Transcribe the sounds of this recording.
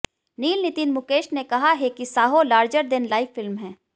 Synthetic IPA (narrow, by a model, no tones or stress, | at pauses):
niːlnɪt̪iːnmʊkeːʃnekɐɦaɦekisaːɦolaːɾd͡ʒəɾd̪ɪnlaːɪfːɪlmɦɛ̃ː